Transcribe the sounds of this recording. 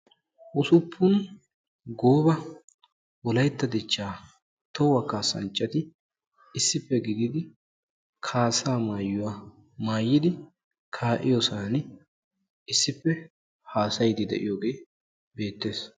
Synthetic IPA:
ʔʊsʊpʰːʊn | ɡoːbɐ | wɔlɐjt̪ːɐd̪ɪt͡ʃːaː | t̪ɔwɐkaːsɐ̰nt͡ʃʼːɐt̪ɪ | ɪsːɪpːɛɡɪɡɪd̪ɪ | kʰaːsaːmaːjːʊwaː | maːjːɪd̪ɪ | kʰaːʔɪ̰joːsan | ɪsːɪpːɛ | haːsɐjd̪ɪd̪ɛ̰ʔɪ̰joːɡe̞ː | be̞ːt̪ːe̞ːs

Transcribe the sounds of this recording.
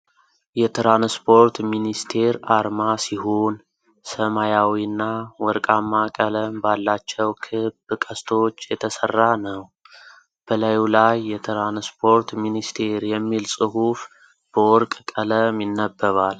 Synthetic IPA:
jɛt̪ʰɾanspʰo̞ɾt̪minist̪ʰe̞ɾaɾmasihon | səmajawiɨnːawɔɾkʼamːakʼələmbalːat͡ʃːɛwkʰɨbkʼəst̪ʰo̞t͡ʃːjɛt̪ʰəsərːanəw | b̥əlajulajːɛt̪ʰɾanspʰo̞ɾt̪minist̪ʰe̞ɾjɛmːilsʼɨɦuf | b̥əɔɾkʼkʼələmjɪnːəbːəβal

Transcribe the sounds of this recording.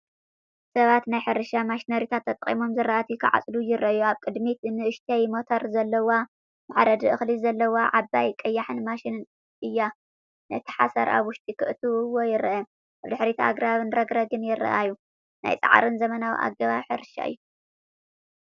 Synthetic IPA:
sɐβat̪najħɨɾɨʃamaʃnɐɾit̪ʰat̪ʰːɐt̪ʼɐχʼḭmo̞mzɨrːaʔat̪ʰikʰɨʕa̰t͡sʼlujɪɾɐʔjuaβkʼɨd̪mit̪nɨʔɨʃt̪ʰɐjmot̪ʰoɾzɐlːɐwa | maʕɾɐd̪ɨʔɨxlizɐlːɐwaʕabajkʼɐjːaħɨnmaʃinɨn | ɨjːa | nɐt̪ʰɨ̥ħasɐɾʔa̰βwʊʃt̪ʼikʰɨʔɨt̪ʰɨwwojɪɾɐʔɐ | ʔaβd̪ɨħɾit̪ʰa̰ɡɾaβɨnɾɐɡɾɐɡɨnjɪɾɐ̰ʔajːu | na̰jt͡sʼa̰ʕa̰ɾɨnzɐmɐnawḭʔa̰ɡɐβaβħɨɾɨʃa̰ɨ̰jːu

